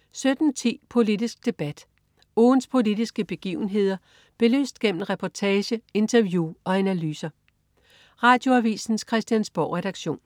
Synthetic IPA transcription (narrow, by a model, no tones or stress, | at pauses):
sød̥n̩t͡sʰḭːpʰo̝lid̥isɡ̥̚d̥e̝b̥æd̥ | oːnspʰo̝lid̥isɡ̥əb̥e̝ɡ̥ḭːʊn̩ɦe̝ð̞̰ˠɐ | b̥e̝lø̰ːsd̥ɡ̥em̰mn̩ʁɛpʰɒt͡sʰɛːɕəe̝nt͡sʰɐʋjuɒ̽ænælyːsɐ | ʁɑ̈ːd̥jo̝æʋḭːsn̩skʰʁɛsd̥jænsb̥ɒʊ̰ʁɛɾ̥ɑ̈ɡ̥ɕo̝̰ːn